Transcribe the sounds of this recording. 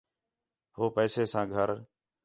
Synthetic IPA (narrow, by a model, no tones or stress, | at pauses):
hoːpɛːseːsãːɡʱəɾ